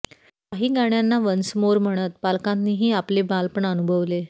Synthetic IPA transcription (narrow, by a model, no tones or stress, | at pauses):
aɦiːɡaɳjanːaʋənsmoɾm̤əɽ̃ət̪̚palkãnniːɦiːaplebalpəɳənubʱəʋle